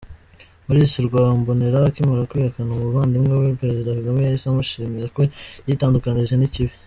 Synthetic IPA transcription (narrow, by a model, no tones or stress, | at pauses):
muɾisiɾɡwambo̞neɾakimaɾakwihakanamuβaːndimŋaβepe̞ɾe̞zidakaɡamejaisamuʃiːmiɾako̞jitaːndukaniʒeniciβi